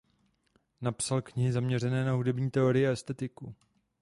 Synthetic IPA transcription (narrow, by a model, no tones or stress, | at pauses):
napsalkɲɪɦɪzamɲɛr̝ɛnɛːnaɦudɛbɲiːt̪ɛoɾɪjɪaɛst̪ɛt̪ɪku